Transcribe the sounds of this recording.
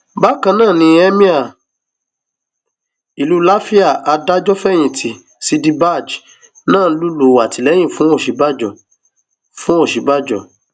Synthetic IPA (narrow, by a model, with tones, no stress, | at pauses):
ba˦kã˧nãː˦˨nĩ˧˦ɛ˦mĩ˦a˨ | i˨lu˦la˦fi˦a˦˨a˧da˦d͡ʒɔ˦fɛ˦j̃ĩ˨tʰi˨ | si˧di˦ba˦˨d͡ʒ | nãː˦˨˧lu˦lo˨wa˨ti˨lɛ˨˦j̃ĩ˦˨fũ˨˦o˦˨ʃi˨˦ba˦d͡ʒɔ˨ | fũ˦o˦˨ʃi˨˦ba˦d͡ʒɔ˦˨